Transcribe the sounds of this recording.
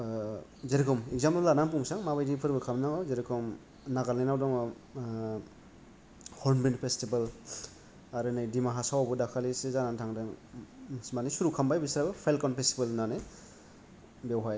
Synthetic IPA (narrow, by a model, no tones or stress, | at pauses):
zeɾikʰɔmekzampalanampuŋsaŋmabajdipʰɯɾbɯkʰamnaŋɔzeɾikʰɔm | naɡalenawdɔŋɔ | hɔɾnbenpʰestibal | aɾɯnajdimaɦasawabɯdakʰalisezanantʰaŋdɯŋ | manisuɾukʰambajbisɾabɯpʰajlkɔnpʰestibɯlnane | bewɦaj